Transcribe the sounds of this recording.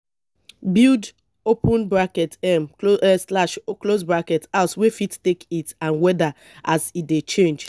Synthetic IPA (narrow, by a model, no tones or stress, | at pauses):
bild | opũnbɹakɛtɛmslaʃklosbɹakɛtaʊswefittekitãnwɛda | ʔasitdet͡ʃẽnd͡ʒ